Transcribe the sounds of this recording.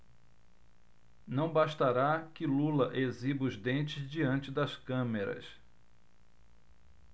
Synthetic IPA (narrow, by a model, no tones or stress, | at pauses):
nɐ̃w̃baʃt̪aɾakɪlulɐʔezibʊzd̪ẽnt͡ʃɪzd͡ʒiɐ̃nt͡ʃɪd̪ɐskɐ̃meɾɐ̰s